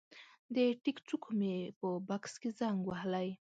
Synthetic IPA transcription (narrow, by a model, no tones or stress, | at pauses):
d̪əʈikt͡sukʰomepəbakskezaŋɡwahlaj